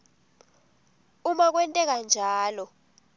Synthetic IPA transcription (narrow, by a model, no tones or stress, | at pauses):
umak̬wɛntʼɛk̬and͡ʒʱaːlɔ